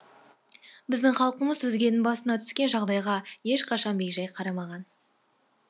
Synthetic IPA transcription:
bɪzd̪ɪŋχɑlˠqəməzɵzɡʲe̞nɪnbɑsənɑt̪ʰʏ̥skʲe̞nʒɑʁd̪ɑjʁɑje̞ʃqʰɑʃɑnbekʒɑjqʰɑɾɑmɑʁɑn

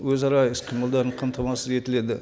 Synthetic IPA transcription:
wɵzɑɾɑɪsqʰijməlˠd̪ɑɾəɴqʰɑmt̪ʰɑmɑsəe̞t̪ɪle̞d̪ɪ

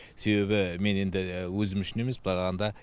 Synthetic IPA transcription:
se̞βe̞bɪme̞ne̞nd̪ɪwɵzɪmʏʃɪne̞me̞sbɪlˠɑʁɑʁɑnd̪ɑ

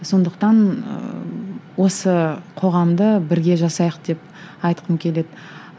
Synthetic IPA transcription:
so̞nd̪əqt̪ɑnə̰ | wo̞səqʰo̞ʁɑmd̪əbɪɾɡʲe̞ʒɑsɑjəqd̪̥e̞p̚ | ɑjt̪qʰəmkʲʰe̞le̞d̪ɪ

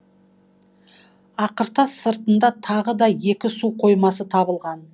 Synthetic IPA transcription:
ɑqəɾt̪ɑsːəɾt̪ənd̪ɑt̪ʰɑʁəd̪ɑje̞kʲɪsuqʰo̞jmɑsət̪ʰɑβəlˠʁɑn

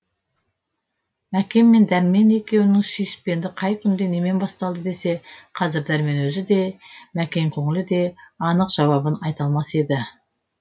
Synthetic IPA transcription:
mækʲe̞mːe̞nd̪æɾme̞ne̞kʲe̞wɪnɪŋsijɪspe̞nd̪ɪqʰɑjkʲʰʏnd̪e̞ne̞me̞nbɑst̪ɑlˠd̪əd̪e̞se̞qʰɑzɪɾd̪æɾme̞nwɵzɪd̪e̞mækʲe̞ŋkʲʰoŋɪlɪd̪e̞ɑnəqʒ̥ɑwɑbənɑjt̪ɑlˠmɑse̞d̪ɪ

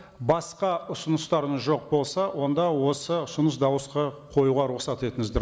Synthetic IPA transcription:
bɑsqɑʊsənəst̪ɑɾənʒo̞q̚bo̞lˠsɑwʔo̞nd̪ɑwo̞səʊsʊnəs̬d̪ɑwəsqɑqʰo̞juʁɑɾuχsɑt̪e̞t̪ɪŋɪzd̪ɪɾ

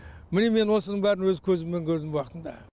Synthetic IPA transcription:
mɪneme̞nwo̞sənəɴbæɾɪnwɵzkʲʰɵzɪmme̞ŋkʲʰɵɾd̪ɪmwɑqət̪ənd̪ɑ̰

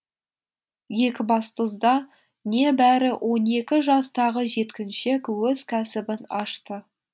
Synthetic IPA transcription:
je̞kʲɪbɑst̪əzd̪ɑ | ne̞bæɾɪwʔo̞ne̞kʲɪʒɑst̪ɑʁəʒe̞t̪kʲɪnʃe̞kwɵz̥kʲʰæsɪbɪnɑʃt̪ə

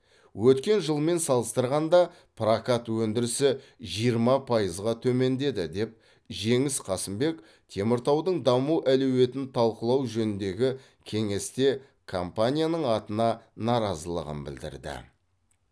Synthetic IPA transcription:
wɵt̪kʲe̞nʒəlˠme̞nsɑlˠəst̪əɾʁɑnd̪ɑ | pʰrakat̪wɵnd̪ɪɾɪsɪ | ʒijəɾmɑpʰɑjəzʁɑt̪ʰɵme̞nd̪e̞d̪ɪd̪e̞p̚ | ʒe̞ŋɪsqʰɑsəmbe̞k | t̪ʰe̞mɪɾt̪ɑwd̪əɴd̪ɑmuʔælewe̞t̪ɪnt̪ʰɑlˠqəlˠɑwʒɵnɪnd̪e̞ɡʲɪ | kʲʰe̞ŋe̞st̪e̞ | kʰompanʲijanəɴɑt̪ənɑnɑɾɑzəlˠə̰ʁə̰nbɪ̰ld̪ɪ̰ɾd̪ɪ̰

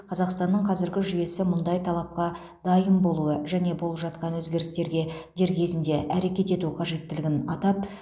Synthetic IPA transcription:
qʰɑzɑqst̪ɑnːəɴqʰɑzɪɾɡʲɪʒʏje̞sɪmʊnd̪ɑjt̪ʰɑlˠɑp̚qɑ | d̪ɑjəmbo̞lˠuəʒæne̞bo̞lˠəpʒɑt̪qɑnwɵzɡʲe̞ɾɪst̪e̞ɾɡʲe̞d̪e̞ɾkʲʰe̞zɪnd̪e̞ʔæɾe̞kʲe̞t̪e̞t̪uqʰɑʒe̞t̪ːɪlɪɡʲɪnɑt̪ɑp̚

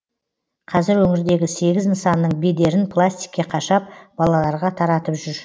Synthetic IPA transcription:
qʰɑzɪɾwɵŋɪɾd̪e̞ɡʲɪse̞ɡʲɪznəsɑnːəɴbed̪e̞ɾɪnpʰlˠasʲt̪i̥jkʲːe̞qʰɑʃɑp̚b̥ɑlˠɑlˠɑɾʁɑt̪ʰɑɾɑt̪əpʒʏɾ

